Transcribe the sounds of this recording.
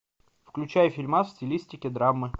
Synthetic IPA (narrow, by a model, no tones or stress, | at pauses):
fklʲʉt͡ɕæjəfʲɪlʲmafsʲtʲɪlʲisʲtʲɪkʲɪd̪ɾamːɨ